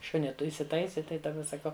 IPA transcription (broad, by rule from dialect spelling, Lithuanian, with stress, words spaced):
ˈʃʊnʲiː ˈtʊ ɪsʲɪˈtɐɪsʲɪ ˈtɐɪ dɐˈbɐ sɐˈkɐʊ